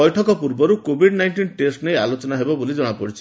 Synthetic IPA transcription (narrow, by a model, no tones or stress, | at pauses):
ɔjʈʰɔkɔpuɾbɔɾukobʱiɖnajnʈinʈesʈnejalot͡ʃɔnaɦebɔbolid͡ʒɔɽ̃apɔɽit͡ʃʰi̥